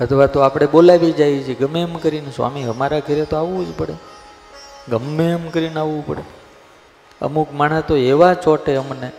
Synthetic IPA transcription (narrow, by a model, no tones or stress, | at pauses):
ət̪ʰʋat̪oapɽ̃eɓolaʋid͡ʒajt͡ʃʰieɡəmemkəɾinsʋa̰miɦəmaɾakʰəɾet̪oaʋũd͡ʒpəɽe | ɡəmːemkəɾinaʋũpə̰ɽe | ə̰mukmaɳat̪oeʋat͡ʃɔʈeəmne